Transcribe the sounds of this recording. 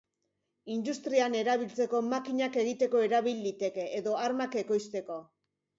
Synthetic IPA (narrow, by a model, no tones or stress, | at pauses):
ind̪ust̪ɾiane̞ɾaβilt͡se̞ko̞makiɲake̞ɣ̞it̪e̞ko̞e̞ɾaβild̪it̪e̞ke̞ʔːðo̞aɾmake̞ko̞jst̪e̞ko̞